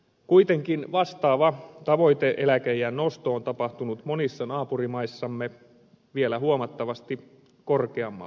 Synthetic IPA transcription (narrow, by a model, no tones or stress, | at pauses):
kujt̪e̞ŋkinʋɑst̪ɑːʋɑt̪ɑʋo̞jt̪eʔelækejænno̞st̪oːnt̪ɑpɑht̪unut̪monisːɑnɑːpurimɑisːɑmːe | ʋielæɦuomɑt̪ːɑʋɑst̪i | ko̞rkeɑmːɑ̰